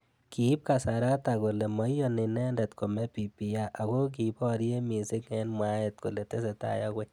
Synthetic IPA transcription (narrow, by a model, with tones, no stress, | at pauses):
ki˨˦p̚ka˨sa˨ɾa˦ta˨ko˨le˨mɔ˨˦jɔ˦nɪ˨nɛ˦ndɛ˨t̪ko˨mɛ˦pi˨pi˨ja˦ʔa˨ko˦k̬i˨bɔ˦ɾje˦mi˨si˦kŋɛ˦nma˦ɛ˨t̪̚ko˨le˨te˦s̬ɛ˨ta̰˦˨ja˦kwe˦